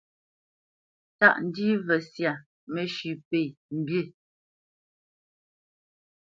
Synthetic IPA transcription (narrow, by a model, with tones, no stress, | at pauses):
ta˦ʔn̩˨˦di˦vɛ˨sja˨ | mɛ˨ʃʉ˨pe˨m̩˨bje˦˨